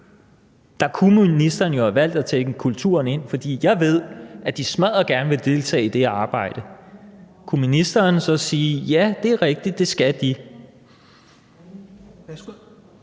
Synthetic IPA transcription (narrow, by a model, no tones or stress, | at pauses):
d̥ɑ̈kʰumunisd̥ɐnjo̝hæʋæl̰d̥æt͡sʰeɡ̥əkʰult͡sʰuɐne̝n̰fɒ̽d̥ḭːjɑ̈ɪʋe̝ð̞̰ˠʔæd̥ismæð̰ˠɐɡ̥æɐnəʋe̝ld̥e̝lt͡sʰɛ̰ːid̥e̝ɑ̈ːb̥ɑ̈ɪ̰d̥ə | kʰuminisd̥ɐːnsɒ̽siːjæd̥e̝æɐʁɛɡ̥̚d̥id̥̚ːe̝sɡ̥æd̥i